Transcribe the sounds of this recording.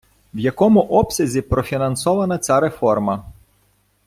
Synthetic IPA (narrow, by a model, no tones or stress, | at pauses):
wjɐkɔmʊʔɔpsʲɐzʲipɾɔfʲinɐnsɔʋɐnɐt͡sʲaɾefɔrmɐ